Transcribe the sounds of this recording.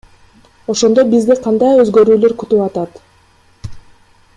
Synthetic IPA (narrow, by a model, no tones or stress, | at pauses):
o̞ʃo̞nd̪o̞bizd̪iqʰɑnd̪ɑjø̞zɡø̞ɾyːløɾkyt̪ypɑt̪ɑt̪